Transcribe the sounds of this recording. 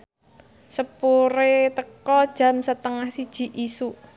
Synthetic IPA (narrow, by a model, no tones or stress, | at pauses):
səpuɾet̪əkɔd̥ʒ̥a̤msət̪əŋahsid̥ʒ̥i̤ʔisu